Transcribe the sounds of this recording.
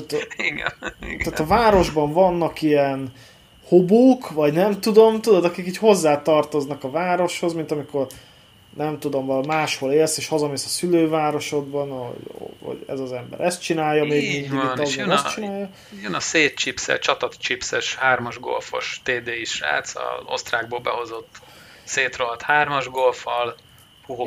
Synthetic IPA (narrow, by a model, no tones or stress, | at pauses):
t̪at̪iɡ̰t̪aːt̪ɒvaːɾo̞ʒbɒɱvɒnːɒkijɛn | hoboːkvɒɟnɛmt̪ud̪o̞mt̪ud̪od̪ɒkikiːcho̞zːaːt̪ɒrt̪o̞znɒkɒvaːɾo̞ʃho̞zmint̪ɒmiko̞r | nɛmt̪ud̪o̞mvɒlmaːʃho̞leːlseːʃhɒzɒmesɒsyløːvaːɾo̞ʃo̞ɡbɒno̰ɟ̰ho̰ɟɛ̰zɒzɛmbɛ̰ɾʔɛst̪̚t͡ʃinaːjːɒmeːɡmind̪iiɒzɛst͡ʃinaːjɒ | jønɒseːt̪t͡ʃipsɛ̰t͡ʃɒt̪ɒt̪t͡ʃipsɛʃhaːrmɒʒɡo̞̰lfo̞̰ʃt̪eːd̪eːiʃra̰ːt̪sɒ̰zo̞̰st̪raːɡ̚boːlbɛ̰ho̞zo̞t̪ː | seːt̪roɦɒt̪haːrmɒʒɡolfɒl | huɦo